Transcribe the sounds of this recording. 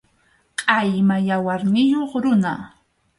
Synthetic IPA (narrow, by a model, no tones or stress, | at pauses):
qʼɑjmajawaɾnɪjoχɾʊna